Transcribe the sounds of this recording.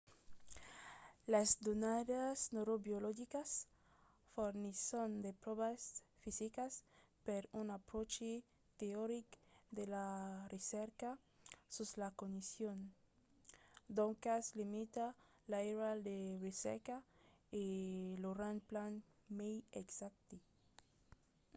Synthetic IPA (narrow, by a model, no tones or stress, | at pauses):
lazd̪onaðasnoɾobjoloʝikas | foɾnisond̪epɾoβas | fisikas | peɾunapɾot͡ʃe | t̪eoɾikd̪elareseɾka | suzlakonisjon | d̪oŋkaslimit̪a | laeɾald̪eresḛɾkaeloranplan | mejeksak̚t̪i